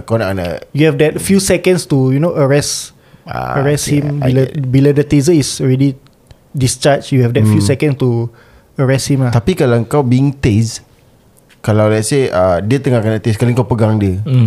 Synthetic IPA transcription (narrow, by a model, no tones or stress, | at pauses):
kawnaʔkana̰juhɛfdɛt̚fjusɛkə̃nst̪ujunoʔəɹɛs | a̰əɹɛshĩmbiləbilədət̪izəisɔɹɛdi | dist͡ʃat͡ʃjuhɛfdɛtfjusɛkə̃nst̪u | əɹɛshĩmat̪apikalaəŋkawbiiŋt̪es | kalawlajʔseadiət̪əŋakanat̪eskaliŋkawpəɡaŋdiə